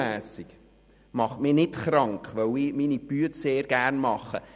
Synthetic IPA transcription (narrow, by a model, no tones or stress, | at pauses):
æːsik | mɑχmɪnɪtχɾɑŋkχʋœwiminibyətseːɾɡærnmɑχːə̰